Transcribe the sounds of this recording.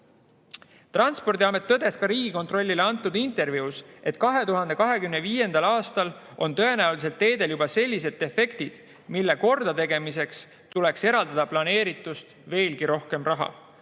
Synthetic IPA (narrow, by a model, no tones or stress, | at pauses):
t̪rɑnspo̞rd̪ʲiɑme̞t̪ːɤd̪̥e̞skɑɾiːɡ̥ikont̪ro̞lʲːileɑnt̪ːˑud̪̥int̪ˑe̞rviuse̞t̪ːˑkɑɦe̞t̪uɦɑnd̪̥e̞kɑɦe̞kymneviːje̞nd̪ɑlɑːst̪ɑl | o̞nt̪ɤ̞e̞næulis̬e̞lt̪ːe̞ːd̪e̞ljubɑse̞lʲːis̬e̞t̪ːe̞fe̞kt̪id̪̥ | milːe̞ko̞rd̪̥ɑt̪e̞ɡe̞mise̞ks | t̪ule̞kse̞ɾɑld̪̥ɑd̪̥ɑplɑne̞ːɾit̪ːˑust̪ve̞ːlɡiɾo̞hke̞mrɑɦɑ̰